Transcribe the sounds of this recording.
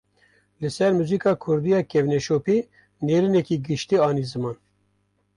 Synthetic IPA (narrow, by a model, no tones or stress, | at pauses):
lɨsɛɾmuziːkɑːkʰʊɾd̪ijɑːkɛvnɛʃoːpi | neːɾinɛkiːɡɨʃt̪iːɑːniːzɨmɑːn